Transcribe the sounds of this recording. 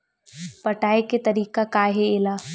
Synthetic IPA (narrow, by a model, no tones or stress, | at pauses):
pɐʈaːeket̪ɐɾiːkakaːɦeeːlaː